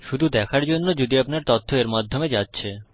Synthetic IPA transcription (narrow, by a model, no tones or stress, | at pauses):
ʃud̪ʱud̪ɛkʰaɾd͡ʑonːod͡ʑod̪iapnaɾt̪ot̪ʰːoeɾmad̪ʱːomed͡ʑatːɕʰe